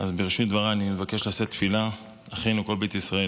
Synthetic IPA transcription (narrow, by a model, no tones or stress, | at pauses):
azbeʁiʃit̪̚d̪vaʁaːnimevake̞ʃlaset̪fila | aχenuko̞lbet̪isʁae